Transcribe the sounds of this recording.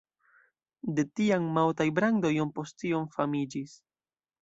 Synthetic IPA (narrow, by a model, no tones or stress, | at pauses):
de̞tiaŋmawtajbɾaŋdo̞jonpo̞stionfamid͡ʒis